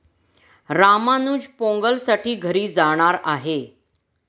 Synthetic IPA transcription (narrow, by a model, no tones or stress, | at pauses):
ɾamanuːd͡ʑpõŋɡəlsaʈiːɡʱəɾiːd͡zaɽ̃aɾaɦe